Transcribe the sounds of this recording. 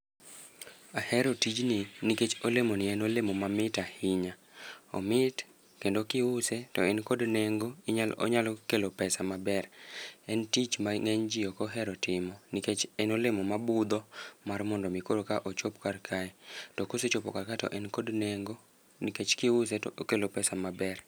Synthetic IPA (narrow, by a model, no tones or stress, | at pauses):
ahɛɾotid͡ʒnɪniket͡ʃolemonɪɛnolemomamɪtahɪɲaɔ̰mɪt | kendokɪʊsetɔɛnkodneŋɡoiɲalo̰ɲalɔkelopɛsamabɛrɛntit͡ʃmaŋɛɲd͡ʒiokɔɦɛɾɔtɪmɔniket͡ʃɛnolemomabʊd̪ɔmarmɔndɔmikoɾokaʔot͡ʃopkarkʰaɛtɔkoset͡ʃopokarkaɛtɔ̰ʔɛnkodneŋɡo | niket͡ʃkɪʊsɛtɔokelopɛsamabɛr